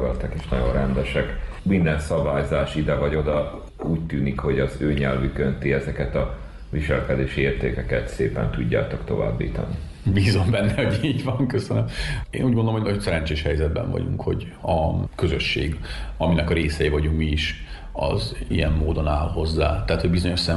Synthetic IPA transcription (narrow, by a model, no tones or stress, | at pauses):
ɡɒlt̪ɒkeːʃnɒ̰ɟo̰nrɛnd̪ɛʃɛk | mind̪ɛnsɒbaːjzaːʃid̪ɛvɒɟo̞d̪ɒ | uːct̪yːnikho̞ɟɒzøːɲɛlvykønt̪iɛzɛkɛt̪ɒ | viʃɛlkɛd̪eːʃieːrt̪ḛːkɛkɛt̪seːpɛ̰nt̪uɟːa̰ːt̪o̞kt̪o̞̰va̰ːbːḭːt̪ɒ̰ni | biːzo̞mbɛnːɛho̞ɟiːɟvɒŋkøsønømeːnuːɟmond̪olmːojsɛɾɛnt͡ʃeːʃhɛjzɛd̪̚bɛ̰ɱvɒ̰ɟṵŋkho̞̰ɟ | ɒkø̞zø̞ʃːeːɡɒminɛkɒɾeːsɛjivɒɟuŋkmiːʃ | ɒ̰zḭjɛmːoːd̪o̞naːlho̞zːa̰ːt̪ɛːt̪hoɟbizo̞ɲo̞ʃsɛ